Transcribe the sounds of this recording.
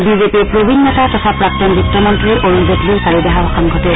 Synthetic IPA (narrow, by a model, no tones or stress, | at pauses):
bizepiɹpɹobʱinːɔtatɔtʰapɹak̚tɔnbukːɔmɔntɹiʔoɹunzetliʊsaɹibaɦabɔxaŋɡʱɔtɛ